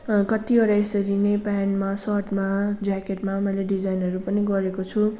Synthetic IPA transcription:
kʌt̪iʌɾaesʌɾinepanmasʌʈmad͡zakeʈmamʌileɖid͡zajnʌɾupʌniɡʌɾekot͡sʰu

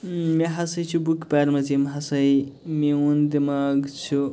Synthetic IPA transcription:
meɦasɐjt͡sʰubukpaɾmat͡simɦasɐjmeund̪emaɡt͡sʰu

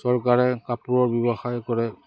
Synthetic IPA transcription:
sɔɹkaɹɛkapuɹɔɹbjɔbaxajkɔɹɛ

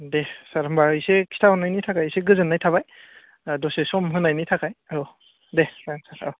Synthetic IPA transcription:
desaɾɯmbaisekʰi̥tʰahɯnajnitʰakʰajseɡɯzɯnːajtʰaβaj | dosesɔmɦɯnajnitʰakʰajao | desansata

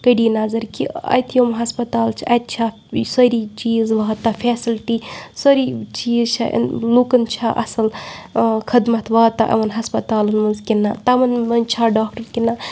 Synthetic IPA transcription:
kɐɖiːnazɐɾkiɐ̰jt̪ʰijomɦɐspɐt̪aːlt͡ʃʰiʔɐt̪̚t͡ʃʰa | sɐɾiːt͡ʃiːzʋaɦt̪aːfʰeːsilʈiːsoɾit͡ʃiːzt͡ʃʰa̰ʔnluːkɐnt͡ʃʰaːʔɐ̰sɐl | kʰɐd̪mɐt̪ʰʋɐːt̪aʔɐ̰ʋɐnɦɐspɐt̪aːlɐnmɐnzkinːaːt̪ɐmɐnɐnt͡ʃʰaːɖaːk̚ʈɐɾkina

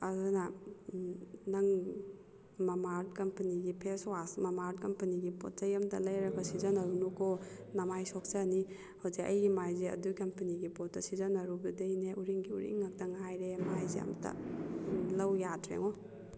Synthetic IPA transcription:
ɐzana | nɐŋ | mɐmaɾd̚kɐmpɐniɡipʰeswasmɐmaɾt̚kɐmpɐniɡipɔ̰t̚zɐjɐmtɐlɐjɾɐɡɐsizɐnɐɾunukɔ | namajsɔk̚sani | hawzeʔɐ̰jɡimajzeɐ̰dukɐmpɐniɡipɔt̚tːɐsizɐnɐɾubidɐjneʔuɾiŋɡiuɾḭŋak̚tɐŋajɾemajzeɐ̰mtʰɐ̰ | lɐwjadɾḛŋɔ

